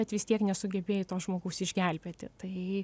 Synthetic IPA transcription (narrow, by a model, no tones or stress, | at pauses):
ɛt̪ʋʲɪst̪ʲiɛknʲɛsʊɡʲɛbʲeːjɪt̪oːsʒmoːɡɐʊsɪʒʲɡʲɛlʲbʲeːt̪ʲɪ̰t̪ɐɪ